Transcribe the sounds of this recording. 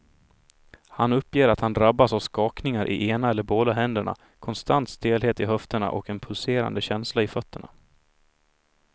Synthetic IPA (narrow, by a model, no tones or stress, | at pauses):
hanɵpːjeːɾat̪hand̪ɾabːasavskɑːknɪŋaɾʔɪ̰ʔeːnaɛlːəɾboːd̪aɦɛnd̪əɳa̰ | kʰɔnst̪ant̪st̪eːlɦeːt̪ɪɦœft̪əɳa̰ʔɔkɛnpʰɵlseːɾa̰nd̪əɕɛnslaɪfœt̪ʰːəɳa̰